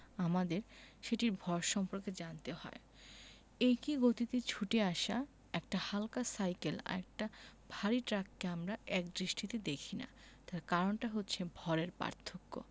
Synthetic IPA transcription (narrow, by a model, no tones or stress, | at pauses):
amad̪eɾʃeʈiɾbʱɔɾʃɔmpoɾked͡ʑant̪ehɔ̰e | ejkiɡot̪it̪et͡ɕʰuʈeaʃa | ɛk̚ʈahalkasajkela̰ɛk̚ʈabʱaɾiʈɾakːeamɾaɛk̚d̪ɾiʃʈit̪ed̪ekʰina̰ | t̪aɾkaɾonʈaɦotːɕʰebʱɔɾeɾpa̰ɾt̪ʰːokːo̰